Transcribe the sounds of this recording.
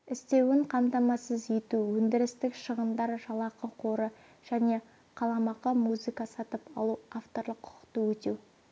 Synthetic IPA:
ɪst̪e̞wɪɴqʰɑmt̪ɑmɑsəzet̪uwɵnd̪ɪɾɪst̪ɪkʃəʁənd̪ɑɾʒɑlˠɑqəqʰo̞ɾə | ʒ̥æne̞ | qʰɑlˠɑmɑqəmuzɨkɑsɑt̪əpɑ̰lˠuaft̪o̞ɾlˠəqʰːʊ̥qə̥qt̪əwɵt̪ew

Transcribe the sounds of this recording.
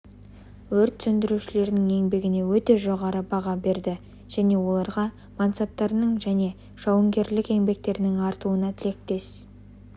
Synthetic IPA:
wɵɾt̪sɵnd̪ɪɾuʃɪle̞ɾd̪ɪŋe̞ŋbe̞ɡʲɪne̞wɵt̪e̞ʒo̞ʁɑɾəbɑʁɑbe̞ɾd̪ɪ | ʒ̥æne̞wo̞lˠɑɾʁɑ | mɑnt̪sɑp̚t̪ːɑɾənəɴʒæne̞ | ʒ̥ɑwəŋɡʲe̞ɾlɪke̞ŋbe̞k̚t̪e̞ɾɪnɪŋɑɾt̪uənɑt̪ʰɪle̞k̚t̪e̞s

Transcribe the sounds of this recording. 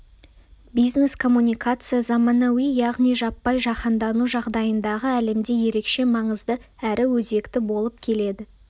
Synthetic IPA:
bijzne̞skʰo̞mːunʲijkat̪sɨjazɑmɑnɑwijɑʁnijʒɑpːɑjʒɑqənd̪ɑnuʒɑʁd̪ɑjənd̪ɑʁəæle̞md̪e̞je̞ɾe̞kʃe̞mɑɴəzd̪ə | æɾɪwɵze̞kt̪ɪbo̞lˠəp̚kʲʰe̞le̞d̪ɪ

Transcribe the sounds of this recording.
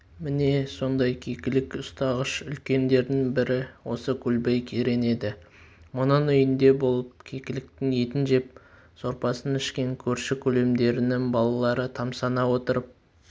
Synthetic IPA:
mɪne̞so̞nd̪ɑjkʲʰekʲɪlɪkʊst̪ɑʁəʃʏlkʲe̞nd̪e̞ɾd̪ɪŋbɪɾɪwo̞səkʲʰɵlbejkʲʰeɾe̞ne̞d̪ɪ | mʊnənʏjɪnd̪e̞bo̞lˠəp̚kʲʰekʲɪlɪk̚t̪ɪŋe̞t̪ɪnʒe̞p̚ | so̞ɾpɑsənɪʃkʲe̞ŋkʲʰɵɾʃɪkʲʰɵle̞md̪e̞ɾɪnɪŋbɑlˠɑlˠɑɾət̪ʰɑmsɑnɑwo̞t̪əɾəp̚

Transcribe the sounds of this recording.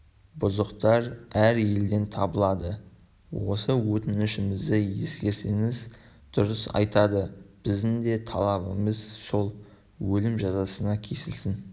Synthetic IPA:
bʊzəqt̪ɑɾæɾje̞ld̪e̞nt̪ʰɑbəlˠɑd̪ə | wo̞̰səwɵt̪ɪnɪʃɪmɪzd̪ɪje̞skʲe̞ɾse̞ŋɪz | d̪̥ʊɾəsɑ̰jt̪ɑd̪əb̥ɪzd̪ɪnd̪e̞t̪ʰɑlˠɑβəməz̥so̞lˠ | wɵlɪmʒɑzɑsənɑkʲʰe̞sɪlsɪn

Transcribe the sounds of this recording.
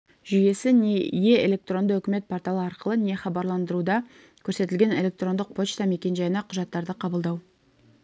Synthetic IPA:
ʒʏje̞sɪneje̞ele̞k̚t̪ro̞nd̪əɵkʲɪme̞t̪̚pʰo̞rt̪ɑlˠəɑɾqəlˠəne̞χɑbɑɾlˠɑnd̪əɾud̪ɑ | kʲʰɵɾse̞t̪ɪlʲɡʲe̞ne̞lʲe̞k̚t̪ro̞nd̪əq̚pʰo̞t͡ʃt̪ɑme̞kʲe̞nʒɑjənɑqʰʊʒɑt̪ːɑɾd̪əqʰɑbəlˠd̪ɑw

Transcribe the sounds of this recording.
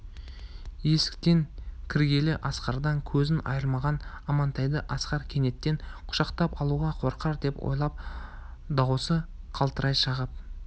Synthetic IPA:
je̞sɪ̥kt̪e̞ŋkʲʰɪɾɡʲe̞lɪʔɑsqɑɾd̪ɑŋkʲʰɵzɪnʔɑ̰jəɾˠmɑʁɑn | ɑmɑnt̪ʰɑjd̪əʔɑsqɑɾkʲʰe̞ne̞t̪ːe̞ŋqʰʊ̥ʃɑqt̪ɑpɑlˠuʁɑqʰo̞ɾqɑɾd̪e̞pwo̰jlˠɑp̚ | d̪ɑwsə | qʰɑlˠt̪əɾɑjʃɑʁəp̚

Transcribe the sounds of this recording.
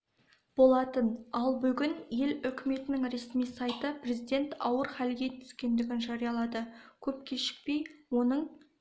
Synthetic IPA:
b̥o̞lˠɑt̪ənɑlˠbʏɡʲɪnje̞lʏkʲɪme̞t̪ɪnɪŋɾe̞smijsɑjt̪əpre̞zijd̪e̞nt̪ɑwəɾχælɡʲe̞t̪ʰʏ̥skʲe̞nd̪ɪɡʲɪnʒɑɾijɑlˠɑd̪əkʲʰɵp̚kʲʰe̞ʃɪ̥k̚pe̞jwonəɴ

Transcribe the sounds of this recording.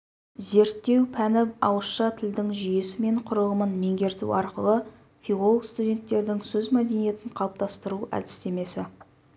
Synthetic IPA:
ze̞ɾt̪ːe̞wpʰænɪpɑwəsʃɑt̪ʰɪld̪ɪŋʒʏjesɪme̞ɴqʰʊɾəʁəmənme̞ŋɡʲe̞ɾt̪ṵɑɾqəlˠə | fʲiʁo̞lˠəkst̪udʲe̞nt̪ːe̞ɾd̪ɪŋsɵzmæd̪enije̞t̪ɪɴqʰɑlˠəp̚t̪ʰɑst̪əɾuæ̰d̪ɪ̥st̪e̞me̞sɪ

